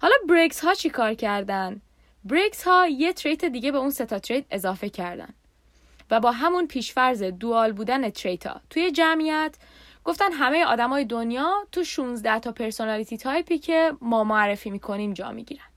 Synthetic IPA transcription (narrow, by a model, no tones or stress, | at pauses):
hɒːlɒːbɾeɡshɒːt͡ʃʰikʰɒːɾcʰæɾd̪ænd̪ | bɾekshɒːje̞t̪ʰɾe̞jt̪ʰed̪iːɟe̞be̞unse̞t̪ʰɒt̪ʰɾe̞jd̪e̞zɒːfe̞cʰæɾd̪æ̰nd̪̥ | væbɒːɦæmunpʰiːʃfæɾzed̪uɒːlbuːd̪ænet̪ʰɾe̞jt̪ʰɒ̰ːt̪ʰuje̞d͡ʒæmijæt̪ʰ | ɡ̥o̞ft̪ænd̪ɦæme̞jeʔɒ̰ːd̪æmɒːjed̪onjɒːt̪ʰuʃuːnzd̪æht̪ʰɒːpʰe̞ɾso̞nælit̪ʰit̪ʰɒːjpʰiːcʰe̞mɒːmoærːe̞fiːmikʰo̞niːmd͡ʒɒ̰ːmḭɟḭːɾænd̪̥